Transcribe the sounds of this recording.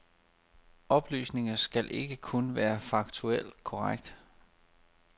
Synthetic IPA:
ɒ̽b̥ly̰ːsne̝ŋɐsɡ̥ælʔe̝ɡ̥əkʰonʋæːɐfɑ̈ɡ̥̚t͡sʰuel̰kʰɒʁaɡ̥̚d̥

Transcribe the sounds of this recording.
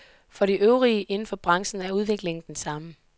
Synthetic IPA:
fɒ̽ɾiʔøʊʁiəʔe̝nn̩fɒ̽b̥ʁɑ̈ŋsn̩æɐuð̞ˠʋe̝ɡ̥le̝ŋn̩d̥ensɑ̈mə

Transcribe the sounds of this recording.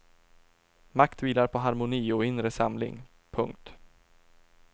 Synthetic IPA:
makt̪viːlaɾpʰɔɦaɾmʊniːɔɪnɾəsamlɪ̰ŋ | pʰɵŋk̚t̪

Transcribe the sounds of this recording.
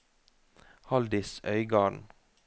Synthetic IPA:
hɑld̪ɪsœʏɡɑːɳ

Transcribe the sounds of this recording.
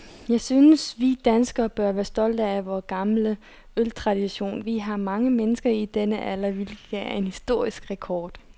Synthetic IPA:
jɑ̈ɪsynəsʋid̥ænsɡ̥ɐb̥ɶɐʋæːɐsd̥ɒ̽l̰d̥ɐæʋɒːɡ̥ɑ̈mlə | ølt͡sʰʁɑ̈d̥iɕo̝̰ːnʋiɦɑ̈mɑ̈ŋəmenəsɡ̥ɐid̥enəʔælɐʋilɡ̥ææɐe̝nhisd̥o̝ɐ̰isɡ̥ʁɛkʰɒːd̥

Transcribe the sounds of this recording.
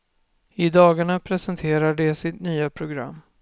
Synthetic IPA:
ɪd̪ɑːɡaɳapʰɾɛsɛnt̪ʰeːɾaɖɛsɪt̪nyːapʰɾʊɡɾa̰mː

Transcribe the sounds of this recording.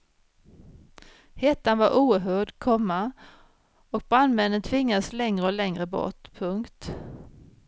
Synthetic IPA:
hɛt̪ːanvaɾʔuːɦœːɖkʰɔmːa | ɔk̚bɾand̪mɛnːənt̪ʰvɪŋːad̪əslɛŋɾəɔlɛŋɾəbɔ̰ʈpʰɵŋkt̪

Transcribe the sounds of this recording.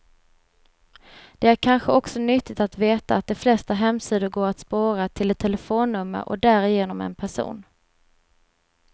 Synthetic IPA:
d̪̥ɛæɾkʰanɧəɔksɔnʏt̪ːɪt̪at̪veːt̪aːt̪̚d̪ɛflɛst̪aɦɛmsiːd̪ʊɾɡoːɾat̪spoːɾat̪ʰɪlɛt̪ʰːɛlɛfoːnːɵmːə̰ɾʔɔ̰k̚d̪æːɾɪjeːnɔmɛ̰npʰæʂṵːn

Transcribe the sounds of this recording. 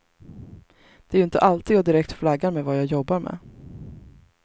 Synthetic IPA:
d̪̥ɛæɾɵɪnt̪ə̰ʔalt̪id̪jaːd̪ɪɾɛkt̪flaɡːaɾmɛvajaːjɔbːaɾmɛ̰ː

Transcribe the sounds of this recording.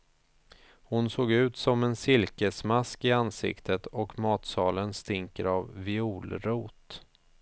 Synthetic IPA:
hʊnsoːɡʉ̟ːt̪sɔmɛnsɪlkəsmaskɪansɪ̰kt̪ʰət̪ɔkmɑːt̪sɑːlənst̪ɪŋkəɾavvɪuːlɾuːt̪

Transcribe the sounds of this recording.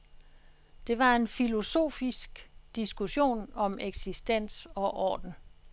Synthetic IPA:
d̥e̝ʋɑ̈e̝nfilo̝so̝̰ːfisɡ̥d̥isɡ̥uɕo̝̰ːnɒ̽meɡ̥sisd̥en̰sɒ̽ʔɒ̰ːd̥n̩

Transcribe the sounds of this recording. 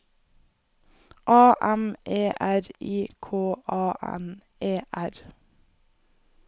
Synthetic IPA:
ʔɑːʔɛmʔeːʔæɾiːkʰoːʔɑːʔɛ̰n | eːʔæɾ

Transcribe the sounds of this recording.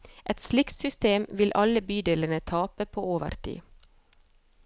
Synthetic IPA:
ʔɛt̪slɪkt̪sʏst̪eːmʋɪlʔɑləbyːd̪eːlənət̪ʰɑːpəpʰoːoːʋə̰ɾt̪ʰḭː

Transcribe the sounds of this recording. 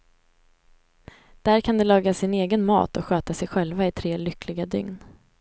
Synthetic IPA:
d̪̥æɾkʰand̪ɛlɑːɡasɪneːɡənmɑ̰ːt̪ɔɧøːt̪asɛjɧɛlvaɪt̪ʰɾeːlʏklɪɡad̪ʏ̰ŋn

